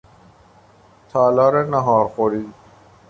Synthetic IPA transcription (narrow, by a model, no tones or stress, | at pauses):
t̪ʰɑːlɑːɾenaɦɑːɾxoɾiːd̪